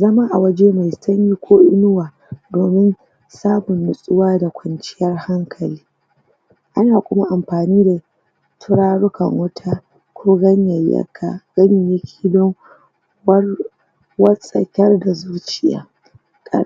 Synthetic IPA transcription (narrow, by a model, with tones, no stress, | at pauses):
zɐ˦ma˦ʔa˨wɐ˦d͡ʒeː˦ma˨jsɐ˦ɲji˦kʷʰoː˦ʔɪ˦nʊ˦waː˨ | doː˨mɪ˦n | saː˦mʊ˨nːʊ˨sʼʊ˦waː˦da˨kʷɐ˨nt͡ʃɪ̥˦jɐ˦rha˦ŋkʰɐ˨liː˦ | ʔa˦naː˨kʷʊ˦ma˦ʔa˨mɸaː˨niː˦da˨ | tʰʊ˦ɾaː˦ɽʊ˦kɐ̰˨ŋwɐ˦tʰa˦ | kʷoː˦ɡɐ˦ɲjɐ˨jɐ̰˦kʰːa˦ɡ̥ɐ˦ɲa˨jɐ˦kʲʰi̥ː˨dɔ˦ŋ | wɐ˦r | wɐ˦sʼɐ̰˦˨kʲɛ˦rda˨zuː˦t͡ʃɪ˨ja̰ː˨˦ | kʼɐ̰˦